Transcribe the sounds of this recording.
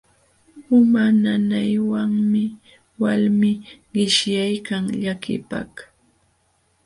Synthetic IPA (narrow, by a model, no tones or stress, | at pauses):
ʊmananajwaŋmɪ | walmɪɢɪʃjajkaŋʎakɪ̰pa̰k